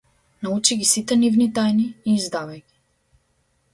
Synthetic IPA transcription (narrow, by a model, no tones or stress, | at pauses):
naut͡ʃiɡʲisit̪ɛnivnit̪ajniːzd̪avajɡʲi